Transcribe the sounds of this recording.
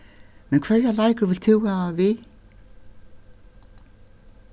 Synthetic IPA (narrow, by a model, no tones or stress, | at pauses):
mɛnkʰvɛɹalajkʏɾvɪlt̪ʰʏwaːvɪ